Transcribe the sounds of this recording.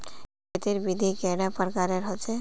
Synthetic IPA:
kʰet̪iɾbid̪ʱikɛɖapəɾkaɾeɾɦɔt͡ʃʰe

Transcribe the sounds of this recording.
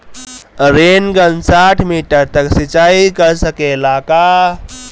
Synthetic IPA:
ɾenɡənsaːʈʰmiːʈəɾt̪əksit͡ʃaːikəɾsəkelaːkaː

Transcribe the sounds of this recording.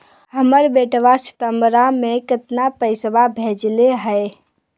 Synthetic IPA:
ɦəməɾbeʈʋasi̥t̪əmbɾamekət̪napəɪsbabʱed͡ʒleɦəj

